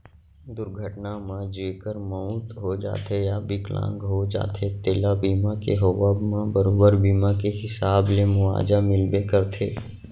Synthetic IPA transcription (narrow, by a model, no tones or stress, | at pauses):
d̪ʊɾɡʱəʈnamãd͡ʒeːkəɾmãʊt̪ɦod͡ʒa̰ːt̪ejabɪklã̰ːŋɡɦod͡ʒa̰ːt̪ʰet̪eːlabiːmakeɦoːwəbmãbəɾoːbəɾbiːmakeɦɪsaːblemʊʋa̰ːd͡ʒamɪlbekəɾt̪ʰeː